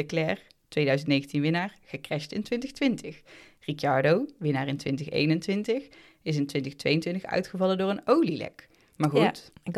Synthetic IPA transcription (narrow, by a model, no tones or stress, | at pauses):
əklɛːr | tʋejdœɥzəntnejɣəntinʋɪnaːɹɣ̥əkrɛstɪntʋɪntəxtʋɪntəxrikɑɹdowʋɪnaːɹɪntʋɪntəxḛjnəntʋɪntəx | ɪs̬ɪntʋɪntəxtʋḛjəntʋɪntəxœ̰ɥtχəvɑləndʊːrənowlilɛ̰k | maːɹχut